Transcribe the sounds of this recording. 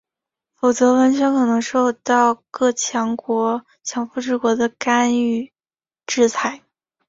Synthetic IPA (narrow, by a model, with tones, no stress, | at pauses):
fo˨˩ʊt͡sɤ˧˥wə˧˥nɕ̬ɥɛ˧˥ŋkʰɤ˨˩nɤ˧˥ŋʂo˥˧ʊt̪ɑ˥˧ʊkɤ˥˩t͡ɕʰjɑ˧˥ŋkwɔ˧˥ | t͡ɕʰjɑ˧˥ŋfu˥˧ʈ͡ʂɻ̩˥˩kwɔ˧˥d̪ə˧ka˥ny˥˩ | ʈ͡ʂɻ̩˥˩t͡sʰa˧˥ɪ